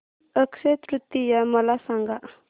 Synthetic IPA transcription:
əkset̪ɾut̪ːijaməlasaŋɡaʔ

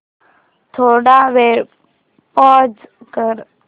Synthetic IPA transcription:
t̪ʰoɽaʋeɾ | pɔd͡zkəɾ

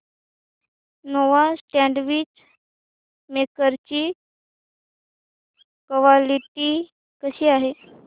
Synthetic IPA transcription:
noʋasʈæ̃ɳɖʋiːt͡ɕ | mekəɾt͡ɕiː | kəʋaliʈiː | kəɕiːaɦe

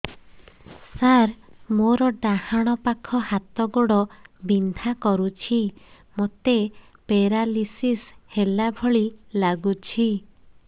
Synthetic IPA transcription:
saɾmoɾɔɖahaɽ̃ɔpakʰɔhat̪ɔɡoɽɔbind̪ʱakɔɾut͡ʃʰi | mot̪e | peɾalisishelabʱɔɭilaɡut͡ʃʰi

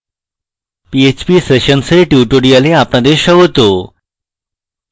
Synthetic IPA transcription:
piet͡ɕpiːseɕənseʈjiʈoɽijaleapɳad̪eɕəɡot̪o

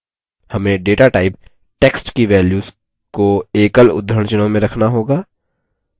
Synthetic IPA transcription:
hɐmẽɖeːʈaʈaːɪp | ʈeːksʈkiʋɛːljuːs | koeːkəlʊ̰d̪ɾəɳ̃t͡ʃənõmẽɾɐkʰnaɦoːɡaː

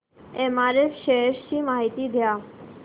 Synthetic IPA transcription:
emaɾefʃeeʃt͡ɕimaɦit̪id̪ʱea

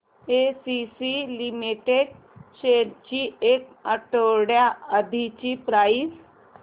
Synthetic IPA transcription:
esisilimiʈeɖ | ɕeɾt͡ɕiek̚əʈoɽjaəd̪ʱit͡ɕipɾais

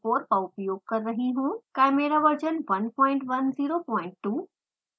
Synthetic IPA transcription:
oːɾpəʊpjoːɡ̚kɐɾːɐɦiɦũːkɛːmeːɾaʋəɾd͡ʒənʋɐnpɔ̃ːɪ̃ɳʈʋɐnziːɾopɔ̃ːɪ̃ɳʈːuː

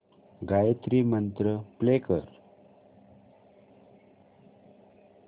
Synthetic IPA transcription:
ɡajt̪ɾimənt̪ɾəplekəɾ

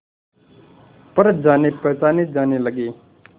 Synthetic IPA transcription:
pəɾ̚d͡ʒaːneːpəːsaːned͡ʒaːneːləɡeː

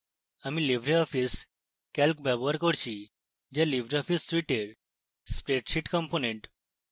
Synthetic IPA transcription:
amiːliʋɾiɔfiːs | kɛlkbɛbʋaɾkɔɽt͡ɕi | d͡ʑɛliʋɾiɔfiːsːʋiʈeɾ | spɾeʈɕiʈkəmponeɳʈ

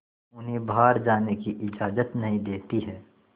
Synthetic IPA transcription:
ʊnɦẽbaːɾd͡ʒaːnekiʔɪd͡ʒaːzət̪nɐɦĩd̪eːt̪iɦɛː

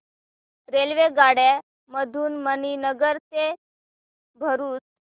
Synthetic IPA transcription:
ɾelʋeɡaɽɛ | məd̪ʱuːnməninəɡəɾt͡se | bʱəɾuːt͡s

